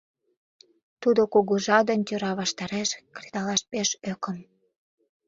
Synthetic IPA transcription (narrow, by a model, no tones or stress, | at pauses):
t̪ud̪okuɣuʒɑd̪ənʲt̪ʲøɾɑβɑʃt̪ɑɾeʃkred̪ɑlɑʃpeʃøkə̆m